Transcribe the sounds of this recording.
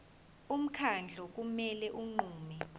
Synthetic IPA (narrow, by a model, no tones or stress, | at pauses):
um̩kʰand͡ɮʱɔk̬umɛlɛʔuŋ͡ǃuːmɛ